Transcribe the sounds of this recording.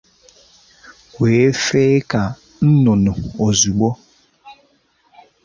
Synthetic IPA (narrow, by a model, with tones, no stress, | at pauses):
weː˨˦e˦fe˦ka˨ | n̩˦nʊ˨nʊ˨o˨zu˨ɡ͡bo˦